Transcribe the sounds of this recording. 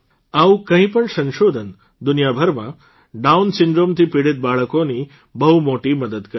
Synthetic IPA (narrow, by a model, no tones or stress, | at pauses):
aũkə̃ɦĩpəɳsə̃nʃod̪ʱən | d̪unjabʱəɾmã̰ | ɖaunsɪɳɖɾomt̪ʰipiɽet̪̚baɭəkoni | bəɦumoʈiməd̪əd̪kəɾ